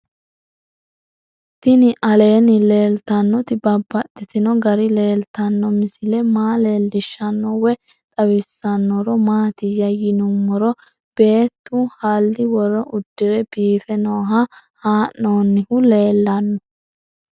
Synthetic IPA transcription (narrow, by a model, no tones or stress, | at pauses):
t̪ɪnɪʔɐle̞ːnɪle̞ːlt̪ɐnːɔt̪ɪbɐbːɐtːɪt̪ɪnɔɡɐɾɪle̞ːlt̪ɐnːɔmɪsɪlɛmaːle̞ːlːɪʃːɐnːɔwɛ | t̪ʼɐwɪsːɐnːɔɾɔmaːt̪ɪjɐjɪnʊmːɔɾɔ | b̥e̞ːt̪ːuhɐlːɪwɔɾɔʔʊd̪̥ːɪɾɛb̥iːfɛnoːɦɐ | haːʔnoːnːɪhʊle̞ːlːɐnːɔ